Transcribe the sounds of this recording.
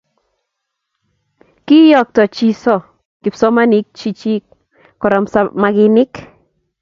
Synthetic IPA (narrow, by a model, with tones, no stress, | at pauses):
ki˦jɔ˨k̚tɔ˨t͡ʃi˦sɔ˦˨ | kɪ˨psɔ˦ma˦ni˨˦k̚t͡ʃi˦t͡ʃi˦ | kɔ˨ɾɔ˨msamaɡɪ˧nɪ˦k